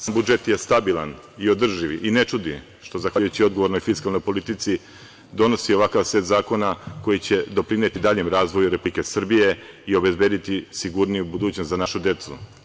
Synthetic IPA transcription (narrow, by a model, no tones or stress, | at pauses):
sambud͡ʒe̞t̪jest̪abilˠan | io̞d̪r̩ʒiʋʔinet͡ʃud̪i | ʃt̪o̞zaxʋajut͡ɕio̞d̪ɡo̞ʋo̞ɾno̞jfiskalˠno̞jpo̞lit̪it̪si | d̪o̞nosio̞ʋakaʋset̪zaːko̞nako̞jit͡ɕe̞d̪o̞pɾinet̪id̪aːʎemɾaːzʋo̞juɾe̞plike̞sr̩bije̞io̞be̞zbe̞ːd̪it̪isiɡuɾnijubud̪uːt͡ɕnost̪zanaʃud̪e̞t̪sṵ